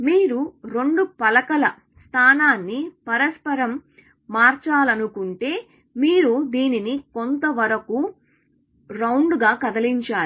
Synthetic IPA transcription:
miːɾuɾo̞ɳɖupɐlɐkɐlɐ | st̪ʰaːnaːnːipɐɾɐspɐɾɐmː | aːɾt͡ʃaːlɐnukuɳʈe̞ː | miːɾud̪iːninikont̪ɐʋɐɾɐku | ɾɐwɳɖɡaːkɐd̪ɐliɲt͡ʃaːɾi

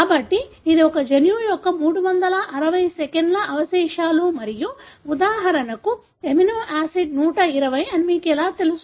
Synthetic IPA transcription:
kaːbɐʈːiː | d̪iɔkɐd͡ʒɐnjuːjɔkːɐmuːɽuʋɐnd̪ɐlɐʔɐɾɐʋɐjsɛkeɳɖlɐʔɐʋɐsɛːʃaːluːmɐɾijuud̪aːɦɐɾɐnɐku | eminoːʔaːsiɖ̚nuːʈɐiɾɐʋɐjɐnimiːkɛlaːt̪elus

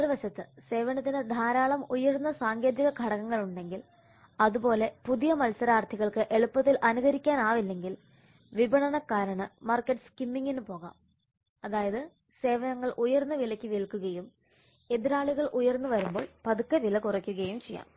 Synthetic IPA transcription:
riʋɐɕɐt̪ːɨse̞ːʋɐnɐt̪ːinɨd̪ʱaːɾaːɭɐmujɐɾunːɐsaːŋɡe̞ːd̪iɣɐɡʱɐɽɐɣɐŋːɐɭuɳɖe̞ŋɡil | ɐðubo̞ːle̞puðijɐmɐlsɐɾaːrt̪ʰiɣɐɭkɨʔe̞ɭupːɐt̪ːilʔɐnuɣɐɾikʲːaːnaːʋilːe̞ŋɡil | ʋibɐɳɐɳɐkːaːɾɐɳɨmɐrkːɐʈːɨ̥skimːiŋɡinɨpo̞ːɣa̰ːm | ɐðaːjɐðɨ | se̞ːʋɐnɐŋːɐɭʔujɐrnːɐʋilɐkʲːiʋiɭkːuɣɐjum | e̞ðiɾaːɭiɣɐɭʔujɐrnːuʋɐɾumbo̞ːɭpɐðukːɐʋilɐkurɐkʲːuɣɐjumt͡ɕejːa̰ːm

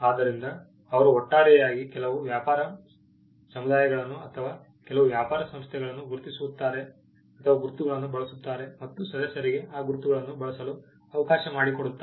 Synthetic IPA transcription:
aːd̪ɐɾind̪ɐː | ʋɐɾuɦɔʈːaːɭɛjjaːɡikɛlɐʋuʋjaːpaːɾɐ | sɐmud̪aːjɐɡɐɭɐnːuɐt̪ʰɐʋaː | kɛlɐʋuʋjaːpaːɾɐsɐmst̪ʰjɛɡɐɭɐnːuɡuɾt̪isuʋut̪ːaːɾe̞ | ɐt̪ʰɐʋaːɡuɾut̪ːuɡɐɭɐnːubɐɭɐsut̪ːaːɾe̞mɐt̪ːusɐd̪ɐsɐɾiɡe̞aːɡuɾut̪uɡɐɭɐnːubɐɭɐsɐlu | ɐʋɐkaːʃɐmaːɽikoɽut̪ːa

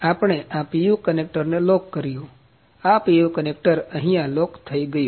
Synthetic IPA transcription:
apɳ̃eʔãpijukənek̚ʈəɾnelokːəɾijũ | apijukənekʈəɾə̃ɦĩjãlokt̪ʰəiɡəju

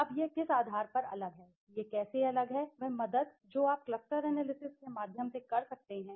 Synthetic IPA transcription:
ɐbjekɪsaːd̪ʱaːɾpɐɾɐ̰ləɡɦɛː | jekɛːseɐləɡɦɛʋɛɦmɐd̪əd̪̚ | d͡ʒoːaːp̚klɐsʈəɾɛɦnelɪsɪkskemaːd̪ʱjəmsekɐɾsɐk̚t̪eɦɛ̃ː

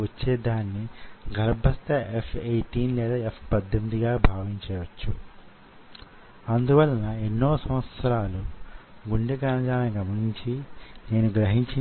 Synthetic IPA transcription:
ɐt͡ʃːeːd̪aːnːiɡɐɾbʱɐst̪ɐepʰejʈiːnlɛːd̪aːepʰpɐd̪ʱjɐmd̪iɡaːbʱaːʋiɲt͡ʃɛːʋɐt͡ʃːu | ɐnd̪uʋɐlːɐnɐenːo̞ːsɐ̃mʋɐt̪sɐɾaːluɡuɳɖɐɡɾaːnɐd͡ʒaːnɐniɡɐmɐɾiɲt͡ʃine̞ːnuɡɾɐɦiɲt͡ʃi

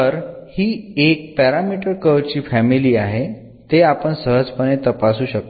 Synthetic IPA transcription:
əɾhiːek̚pɛɾamiʈəɾkəʋt͡ɕiːfæmiliːaɦe | t̪eapəɳsəɦəd͡zpənet̪əpasuːɕək̚t̪o

